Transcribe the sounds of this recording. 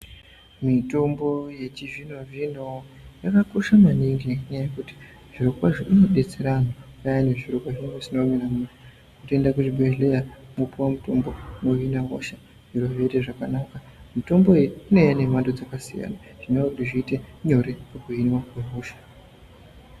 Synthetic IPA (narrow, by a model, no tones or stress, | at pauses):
mito̞mbo̞je̞t͡ʃiʐino̞ʐino̞ | jakakoʃamaniŋɡeɲajajekuti̥ | ʐ̥iɾokwaʐiʔinoɗe̞t͡se̞ɾanojajaneʐirokwaʐioesinominamuna | kutoendakuʐibʱelejamupuwamuto̞mbo̞noʋinaɦo̰ʃa | ʐiroʋe̞teʐakanaka | mito̞mbo̞eriine̞jane̞mandod͡zakasḭja̰naʐ̥inekutiʐiːte̞ɲo̞ɾekekuinwakweɦuːʃḁ